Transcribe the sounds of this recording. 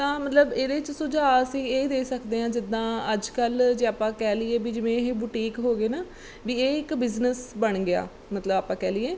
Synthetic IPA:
t̪ãːmət̪ləbeːɾeːt͡ʃsʊd͡ʒaːsĩːeːd̪eːsəkd̪eːɦãːd͡ʒɪd̪ãːəd͡ʒkəld͡ʒeːaːpãːkɛːlieːbiːd͡ʒɪʋẽːɦeːbʊʈiːkɦoːɡeːnaː | ʋiːeːɪkbɪznəsbəɳɡɪa̰ː | mət̪ləbaːpãːkɛːliːeː

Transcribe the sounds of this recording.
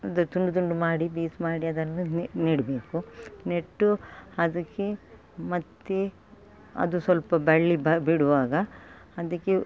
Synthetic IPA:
ɐd̪ɐt̪uɳɖut̪̬uɳɖumaːɽibiːsmaːɽiɐd̪ɐnːuniːɽbeːkuneʈːuɐd̪ɐkːe | mɐt̪ːe | ɐ̰d̪usʋɐlpɐbɐɭːibɐbiɽuʋaːɡɐ | ɐd̪ɐkːe

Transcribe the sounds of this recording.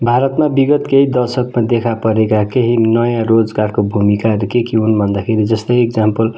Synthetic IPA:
bʱaɾʌt̪mabiɡʌt̪keɦid̪ʌrsʌkmad̪ekʰapʌɾekakeɦinʌjãrod͡zɡarkobʱumikarkekiunbʱʌnd̪akʰeɾid͡zʌst̪ʌjek̚d͡zampʌl

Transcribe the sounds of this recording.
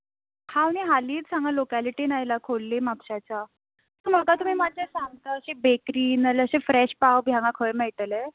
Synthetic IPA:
haʋniɦaliːt͡s̪sãŋɡalokaliʈiːnajlakʰolːemapɕat͡ɕa | m̤əɡat̪um̤iːmad͡ʑesaŋɡt̪əəɕebekɾiːnələɕefɾɛɕpawbʱjãŋɡakʰəɭmɛɭʈ̪əle

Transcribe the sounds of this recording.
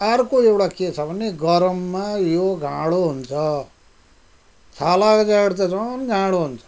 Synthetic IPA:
aɾkoewʈaket͡sʰʌbʱʌneɡʌɾʌmːajoɡʱãɽoɦunt͡sʰʌ | t͡sʰalakd͡zaɡɽtad͡zʌnɡʱãɽoɦunt͡sʰʌ̥

